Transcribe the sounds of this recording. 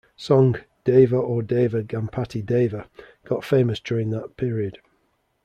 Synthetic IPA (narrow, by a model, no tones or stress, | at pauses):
sɒ̃ŋd̥eɪvəədeɪvəɡãmpʰatideɪvə | ɡ̥ɒtfẽɪ̃məsd̥ɔːɹɪ̃ŋðəʔpʰɪːɹiəd̥